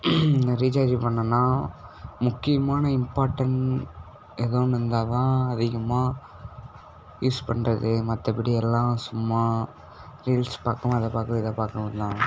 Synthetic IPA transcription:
nd̪ɐɾiːt͡ʃaːd͡ʒpɐɳːɐnːaː | mʊkːɪjɐmaːnɐɪmpaːɾʈːɐɳ | ɛðɐ̃nɪnd̪aːt̪ãːɐðɪɣɐmaː | juːspɐɳrɐðɯmɐt̪ːɐpɪɽɪɛlːãːsʊmːaː | ɾiːlspaːkʊ̃mɐðɐpaːɾkɪðɐpaːɾkʊ̃ʋɐnd̪ãː

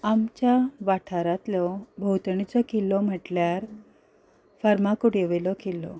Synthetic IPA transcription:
amt͡ɕjaʋaʈʰaɾat̪lɔbʱəwt̪əɳit͡sɔkilɔm̤əʈljaɾ | faɾmakuɽeʋelɔkelɔ̰

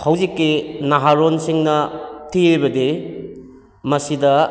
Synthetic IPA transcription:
hɐwzikːinaɦaɾonsiŋnɐtʰiijbɐdi | mɐsidɐ

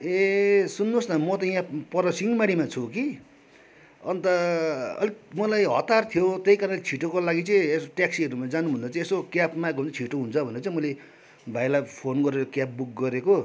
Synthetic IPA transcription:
esunːosnʌmʌt̪ʌjãpʌɾʌsiŋmaɽimat͡sʰuki | ʌnt̪ʌʌ̰limʌlajɦʌt̪art̪ʰijot̪ejkaɾʌ̃let͡sʰiʈokolaɡit͡sʌĩesoʈjaksiʌɾumad͡zanubʱʌnd̪at͡sʌ̃ĩesokjapmakunt̪ʌt͡sʰiʈoɦunt͡sʰʌbʱʌneɾʌt͡saĩmʌle | bʱajlapʰonɡʌɾeɾʌkjap̚buk̚ɡʌɾeko

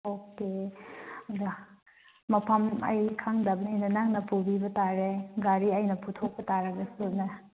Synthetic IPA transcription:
oke | dɐ | mɐpʰɐmɐ̰jkʰaŋdɐbnajnɐnaŋnɐpʰubibɐtaɾeɡaɾiɐjnɐpʰutʰok̚pɐtaɾɐɡɐsunɐ

